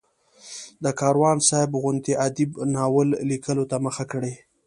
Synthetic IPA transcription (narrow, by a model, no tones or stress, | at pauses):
d̪əkɑɾwɑnsaɪbɣʊnt̪iʔad̪ibnɑwəlːikəlot̪aməxakəɽe